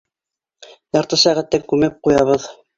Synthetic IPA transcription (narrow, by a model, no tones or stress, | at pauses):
jɑɾt̪ɤsæʁæt̪ːæŋkʉmɘp̚qujɑβɤð